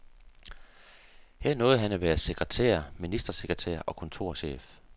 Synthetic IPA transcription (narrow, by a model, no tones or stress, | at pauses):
hæɐ̰nɔ̽ːð̩ˠɦænæʋæːɐse̝ɡ̥ʁɛt͡sʰḛɐminisd̥ʁɐse̝ɡ̥ʁɛt͡sʰæ̰ɐ̰ʔɒ̽kʰɔ̽nt͡sʰo̝ɐ̰ɕḛːf